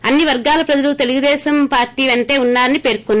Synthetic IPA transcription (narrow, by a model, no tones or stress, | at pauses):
ɐnːiʋɐɾɡaːlɐpɾɐd͡ʒɐlut̪e̞luɡud̪ɛːsɐmpaːɾʈːiːʋeɳʈe̞ːunːaːɾɐnipeːɾkonː